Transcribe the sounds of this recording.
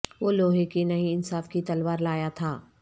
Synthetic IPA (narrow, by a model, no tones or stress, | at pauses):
ʋoːloːɦekinɐɦĩɪnsaːfkit̪ɐlʋaːɾlaːjat̪ʰaː